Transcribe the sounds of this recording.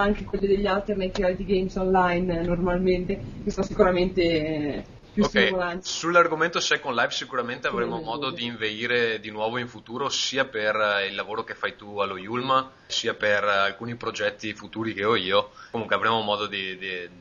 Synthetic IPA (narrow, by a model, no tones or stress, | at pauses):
aŋkekwelːed̪eʎːalt̪ernet̪ːɾialt̪iɡejmsonlajnːormalment̪ekesaasikuɾament̪e | pjuokskiɛjolant̪sulːarɡoment̪osɛkːonlajvsikuɾament̪eavɾemomɔːd̪od̪iːɱveiːɾed̪inwɔːvoiɱfut̪uːɾosiːaperilːavoːɾokefːajt̪ualːojulma | siːaperalkuːnipɾod͡ʒɛt̪ːifut̪uːɾikeɔiːokomuŋkweavɾemomɔːd̪od̪id̪i